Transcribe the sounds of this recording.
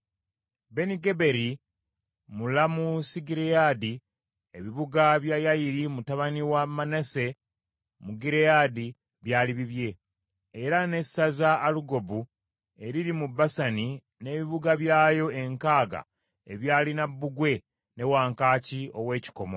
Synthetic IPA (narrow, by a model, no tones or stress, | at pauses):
be̞niɡe̞be̞ɾi | mulamusiɡiɾejadi | eβiβuɡaβjajajiɾimutaβaniwamanese | muɡiɾejadi | βjaːliβiβje̞ː | ɾane̞sazaːluɡo̞bu | e̞ɾiɾimubːasani | ne̞ːβiβuɡaβjaːjo̞e̞ŋkaːɡa̰ | e̞βjaːlinabːuɡwe̞ | ne̞waːŋkaːcio̞we̞ːci̥ko̞mo̞̰